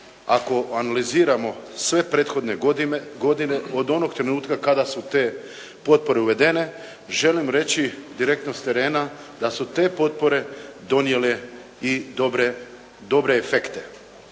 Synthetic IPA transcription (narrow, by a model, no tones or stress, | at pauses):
ako̞analiziːɾamo̞sʋe̞pɾe̞ːt̪xo̞d̪ne̞ɡo̞d̪ine̞o̞d̪o̞no̞ɡ̚t̪ɾe̞nuːt̪kakad̪asut̪eː | po̞t̪̚po̞ɾeuʋe̞d̪e̞ne̞ | ʒe̞limɾe̞t͡ɕid̪iɾek̚t̪nost̪e̞ɾe̞ːna | d̪asut̪e̞ːpo̞t̪̚po̞ɾe̞d̪o̞nje̞le | id̪obɾe | d̪o̞bɾeːfe̞kt̪e